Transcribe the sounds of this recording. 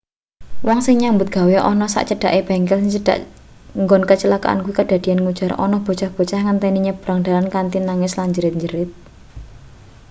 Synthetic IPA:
wɔŋsɪŋɲaŋmbʊt̪̚ɡ̥a̤weʔɔnɔsa̰ʔt͡ʃəɖ̥a̤ʔeb̥a̤ŋkɛləɖ̥a̰ʔ | ŋɡɔnkət͡ʃəlaka̰ʔa̰nkuwikəd̥a̤d̪̥i̤janŋud̥ʒ̥a̤ɾɔ̰nɔhb̥o̤t͡ʃahb̥o̤t͡ʃahŋant̪ɛniɲəb̥ɾaŋɖ̥a̤lankant̪inaŋɪslaɲd͡ʒəɾɪt̪̚ɲd͡ʒəɾɪt̪̚

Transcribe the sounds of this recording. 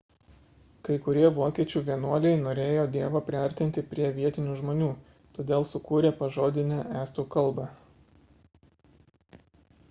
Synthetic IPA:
kɐɪkʊɾʲiɛʋoːkʲiɛt͡ʃʲuːʋʲiɛnuɔlʲɛɪnoːɾʲeːjoːd̪ʲiɛʋɐːpʲɾʲɪɐɾʲt̪ʲɪnʲt̪ʲɪpʲɾʲiɛʋʲiɛt̪ʲɪnʲuːʒmoːnʲuː | t̪oːd̪ʲeːlˠsʊkuːɾʲeːpɐʒoːd̪ʲɪnʲɛæːst̪uːkɐlˠˑbɐ

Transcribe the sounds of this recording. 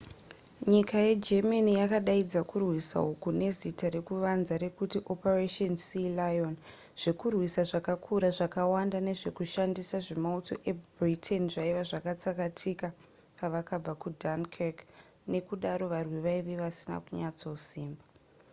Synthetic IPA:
ɲikajed͡ʒemanijakaɗaid͡zakurwisa̰ukune̞zitaɾe̞kuʋanzaɾe̞kutiʔo̞pareʃonsilajon | ʐ̥e̞kurwisaʐakakʰuɾaʐakawandane̞ʐe̞kuʃandisaʐe̞mauto̞ʔe̞britʰenʐaiʋaʐakat͡sakatʰika | paʋakab͡vakudankek | ne̞kuɗaɾo̞ʋarwiʋaiʋeʋasina̰kuɲat͡so̞siːmba

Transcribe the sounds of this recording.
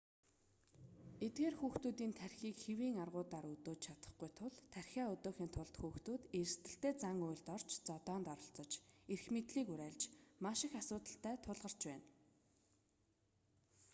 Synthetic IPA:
et̪̚ɡeːrxuːxt̪uːt̪iːnt̪ʰærʲxiːkxewiːŋarʁʊːt̪aːɾɵt̪oːt͡ɕt͡ɕʰat̪ə̥̆χɡujt̪ʰʊɮt̪ʰærxʲæːɵt̪oːxiːnt̪ʰʊɮt̪xuːxt̪uːt̪er̆st̪ɘ̆ɬt̪eːt͡saŋʊjɮt̪ɔr̥t͡ɕt͡sɔt̪ɔːnt̪ɔɾɞ̆ɬt͡sɞ̆t͡ɕerxmet̪ɮiːkʊɾæːɮt͡ɕmaʃɪ̆xasʊːt̪ə̆ɬt̪æːt̪ʰʊɮʁə̆r̥t͡ɕpæːn

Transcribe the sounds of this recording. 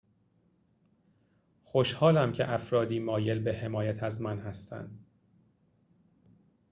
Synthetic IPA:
xoʃhɒːlæmcʰe̞̰ʔæfɾɒːd̪iːmɒːje̞lbehe̞mɒːjæt̪ʰæzmænhæst̪æ̰nd̪̥

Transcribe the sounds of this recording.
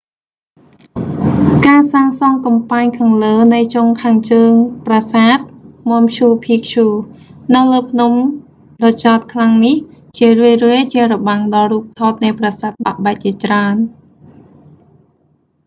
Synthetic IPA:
kaːsaːŋsɑŋkɑmpaɲkʰaːŋləːnɨjt͡ɕoŋkʰaːŋt͡ɕəːŋprasaːt̪̚mŏəmt͡ɕʰuːpʰiək̚t͡ɕʰuːnɨwləːpʰnum | ɗɑːt͡ɕaɔt̪̚kʰlaŋniht͡ɕiərɨəjrɨəjt͡ɕiərɑɓaŋɗɑruːp̚t̪ʰoːt̪̚nɨjprasaːt̪̚ɓa̰ʔɓaɛc̚t͡ɕiət͡ɕraən

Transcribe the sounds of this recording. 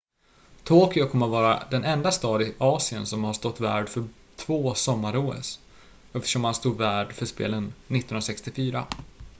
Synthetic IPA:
t̪ʰoːkɪakʰɔmːəɾvɑːɾa̰d̪ɛnɛnd̪ast̪ɑːd̪ɪʔɑːsɪənsɔmhaʂt̪ɔt̪ːvæːɖfœ | t̪ʰvoːsɔmːaɾoːə̰s | ɛft̪ə̥ʂɔmhanst̪uːd̪væːɖfœʂpḛːlənːɪt̪ːnɵnɾasɛkst̪ɪfyːɾa̰

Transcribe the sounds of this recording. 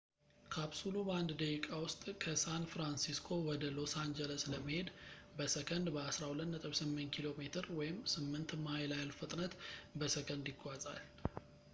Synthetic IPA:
kʰaβsuloband̪d̪əikʼawʊst̪ʼkʰəsanfɾansiskʰo̞wɔd̪əlo̞sand͡ʒələsləməhe̞d̪ | bəsəkʰənd̪bəasɾahulət̪nət̪ʼɨβsɨmːɨnt̪̚kʰilo̞met̪ʰɨɾwɔjɪmsɨmːɨnt̪majlajalfɨt̪ʼnət̪bəsəkʰənd̪jɪɡːʷazʼa̰l

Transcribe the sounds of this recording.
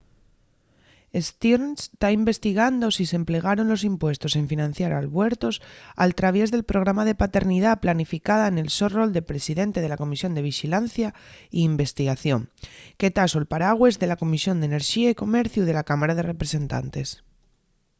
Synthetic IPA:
e̞st̪iɾnst̪aimbe̞st̪iɣ̞and̪o̞sise̞mple̞ɣaɾo̞nlo̞s̬impwe̞st̪o̞se̞ɱfinãn̟θjaɾalβwe̞ɾt̪o̞sa̰lt̪ɾaβje̞zðe̞lpɾo̞ɣ̞ɾamaðe̞pat̪e̞ɾnið̞aplanifikað̞aene̞lso̞ro̞ld̪e̞pɾe̞siðe̞nt̪e̞ð̞e̞lako̞misjo̞nd̪e̞β̞ixilanθjaiːmbe̞st̪iɣaθjo̞ŋke̞t̪asoelpaɾaɣwe̞zðe̞lako̞misjo̞nd̪ene̞ɾʃiaiko̞me̞ɾθjuðe̞lakamaɾaðe̞re̞pɾe̞se̞nt̪a̰nt̪e̞s

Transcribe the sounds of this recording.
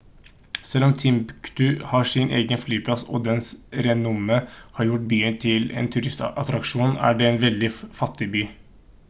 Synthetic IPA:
sɛlːɔmt̪ʰɪmpkt̪ʉhɑʂɪnʔḛːɡənflyːpʰlɑsɔ̰ːd̪ɛnsɾɛnʊməhɑːɾjʊʈ̚byːənt̪ʰɪlɛ̰ːnt̪ʰʉɾɪst̪ʔɑt̪ɾɑkʂuːnæ̰ɖɛːɛnʋɛld̪ɪfɑt̪ːɪbyː

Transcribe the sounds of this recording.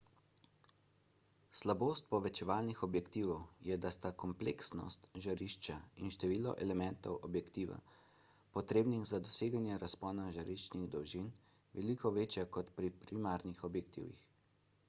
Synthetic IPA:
slaboːst̪̚pɔʋɛt͡ʃɛʋaːlnixɔbjɛkt̪iːʋɔwjɛd̪ast̪akɔmpleksnɔ̰st̪ʒaɾiʃt͡ʃainʃt̪ɛʋiːlɔ̰ʔɛlɛmɛnt̪ɔwʔɔbjɛkt̪iːʋa̰ | pɔt̪ɾeːbniɣzad̪ɔseːɡanjɛɾaspɔːnaʒaɾiʃt͡ʃniɣd̪ɔwʒin | ʋɛlikʰɔʋeːt͡ʃjakɔt̪pɾipɾimaɾnixɔbjɛk̚t̪ḭːwjḭx

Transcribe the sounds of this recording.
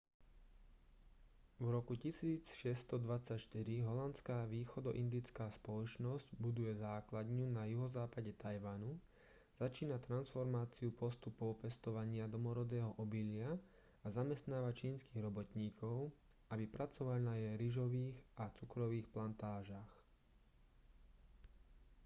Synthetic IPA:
vɾɔkucisiːt͡sʃɛst̪ɔd̪ʋat͡sacʃt̪iɾiɦɔlant͡skaːʋiːxɔd̪ɔʔind̪it͡skaːspɔlɔt͡ʃnɔzɟbud̪ujɛzaːklad̪ɲunajuɦɔzaːpaɟɛt̪ajʋanu | z̥at͡ʃiːnat̪ɾansfɔɾmaːt͡siupɔst̪upɔʊpɛst̪ɔʋaɲɪad̪ɔmɔɾɔd̪ɛːɦɔʔɔbiʎɪa | azamɛst̪naːʋat͡ʃiːnskiːɣɾɔbɔt̪ɲiːkʰɔʊ | abipɾat͡sɔʋaʎnajɛɾiʒɔʋiːɣat͡sukɾɔʋiːxplant̪aːʒax

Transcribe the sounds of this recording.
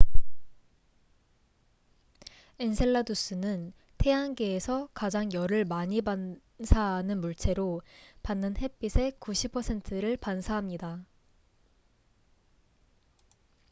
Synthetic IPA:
ensʰeɭːadus͈ɯnɯn | tʰe̞anɡeːsʰʌkad͡ʑaŋjʌɾɯɭmaɲiban | sʰaɦanɯnmuɭt͡ɕʰe̞ɾopanːɯnhe̞p͈isʰe̞kuɕʰipʰʌsʰe̞ntʰɯɾɯɭpansʰaɦamɲida

